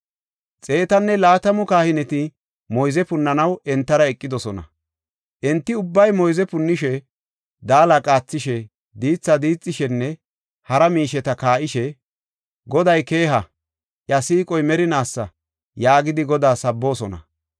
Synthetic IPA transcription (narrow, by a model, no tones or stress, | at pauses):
t͡sʼe̞ːt̪ɐnːɛlaːt̪ɐmɔkaːhɪnɛt̪ɪ | mɔjzɛpʊnːɐnɐwɛnt̪ːɐɾɐɛkʼːɪd̪ɔsɔnɐ̰ | ʔɛnt̪ːɪʊbːɐjmɔjzɛpʊnːɪʃɛ | d̪aːlakʼaːt͡sːɪʃɛ | d̪iːt͡sːɐd̪iːt͡sʼːɪʃɛnːɛ | hɐɾɐmiːʃɛt̪ɐkaːʔɪʃɛ | ɡɔd̪ɐjke̞ːɦɐ | ʔjɐsiːkʼɔjmɛɾɪnaːsːɐ̰ | jaːɡɪd̪ɪɡɔd̪aːsɐbːo̞ːsɔnɐ̰